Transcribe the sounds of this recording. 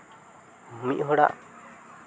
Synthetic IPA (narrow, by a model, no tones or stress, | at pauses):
umiʔɦɔɽa̰ʔ